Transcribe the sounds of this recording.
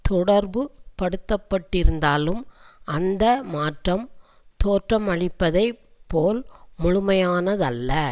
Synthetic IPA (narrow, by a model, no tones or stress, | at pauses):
t̪ɔɽɐɾbɯpɐɽɯt̪ːɐpːɐʈːɪɾɯnd̪aːlɯmʔɐnd̪ɐmaːʈrɐm | t̪oːʈrɐmɐɭɪpːɐðɐɪpːoːlmʊɻʊmɐjaːnɐðɐlːɐ